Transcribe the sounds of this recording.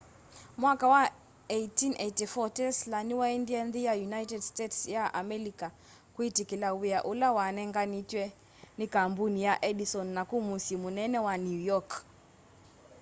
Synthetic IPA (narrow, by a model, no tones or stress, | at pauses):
mwakawa | eitinʔeitifɔtɛslaniwaindianðijajunaitɛdstɛtsjaʔamɛlika | kuitikilawiaʔulawanɛŋɡanitwɛ | nikambunijaʔɛɗisɔnːakumusimunɛnɛwanjujɔk